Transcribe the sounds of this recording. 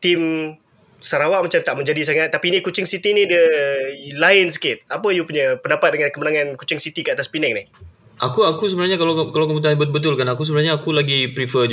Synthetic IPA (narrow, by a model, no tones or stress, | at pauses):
t̪ɪm | səɾawaʔmat͡ʃamt̪aʔməɲd͡ʒadis̬aŋat̪ːapinikut͡ʃɪŋsit̪inidə | laɪns̬ə̥kɪt̪̚apəjupuɲəpəndapat̪̚dəŋankəmənaŋãnkut͡ʃɪŋsit̪ikəat̪aspinɛk̚nɪh | ʔakuakus̬əbənarɲakalakalawkəbut̪̬anbəbət̪̬ʊlkanakus̬əbənarɲaːkulaɡipɾifəd͡ʒ